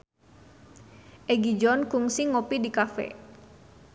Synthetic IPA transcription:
ʔɛɡid͡ʒɔnkuŋsiŋopidikafɛ̰

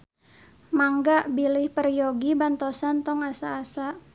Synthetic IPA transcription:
maŋɡaʔbilɪhpərjoɡibant̪osant̪ɔŋasaːsaʔ

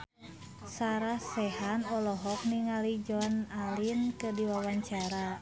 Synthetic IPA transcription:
saɾahsɛhanɔlɔɦɔk̚niŋalid͡ʒɔnalinkɨdiwawaɲt͡ʃaɾa

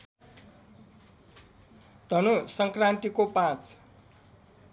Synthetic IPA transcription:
d̪̥ʱʌnosʌŋkrant̪ikopãt͡s

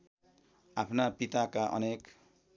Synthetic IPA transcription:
apʰnapit̪akaʔʌ̰nek

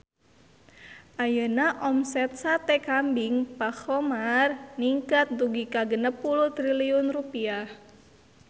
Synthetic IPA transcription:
ʔajənaʔɔmsɛt̪̚sat̪ɛkambɪŋpaxɔmarniŋkat̪̚d̪uɡikaɡənəpːuluht̪ɾiliʊnrupiah

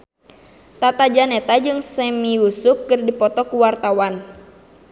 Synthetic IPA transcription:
t̪at̪ad͡ʒanɛt̪ad͡ʒɨŋsɛmiusup̚kɨrdipɔt̪ɔkuwart̪awan

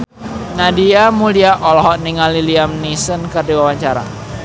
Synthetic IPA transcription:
nadiamuliaʔɔlɔɦɔʔniŋaliliamnisənkərdiwawaɲt͡ʃaɾa̰

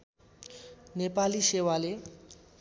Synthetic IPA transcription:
nepalisewale

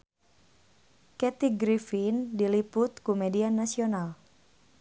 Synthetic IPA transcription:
kɛt̪iɡɾifindilipʊt̪kumɛdianːasional

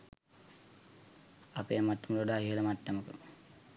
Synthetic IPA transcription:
apeːmaʈːəmət̪oɖaːɦiɦələmaʈːəməkə̰

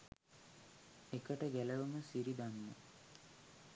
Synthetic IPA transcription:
ekəʈəɡæləʋəməsiɾid̪anːə̰

